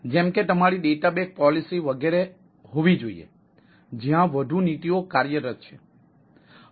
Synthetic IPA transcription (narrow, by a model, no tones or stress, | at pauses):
d͡ʒemket̪əmaɾiɖeʈabek̚pɔlisiʋəɡeɾe | ɦoʋid͡ʒoḭḛ | d͡ʒiɦãʋəd̪ʱunit̪iokaɾjəɾət̪̚t͡ʃʰe̥